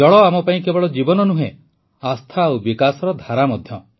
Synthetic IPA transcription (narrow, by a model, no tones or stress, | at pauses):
ɔɭɔamɔpaĩkebɔɭɔd͡ʒibɔnɔnuɦẽ | ast̪ʰaːwbikasɔɾɔd̪ʱaɾamɔd̪ʱjɔ